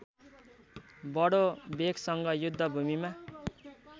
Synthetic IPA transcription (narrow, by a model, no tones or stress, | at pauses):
bʌɽobekʰsʌŋɡʌjud̪ʱːʌbʱumima